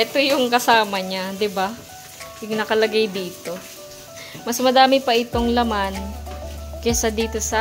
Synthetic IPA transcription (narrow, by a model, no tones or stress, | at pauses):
ʔɛt̪o̞jʊŋkɐsaːmɐɲad̪ɪba | jʊŋnɐkɐlɐɡajd̪iːt̪o̞ | mɐsmɐd̪aːmɪpɐʔɪt̪o̞ŋlɐman | kɛsɐd̪iːt̪o̞sɐ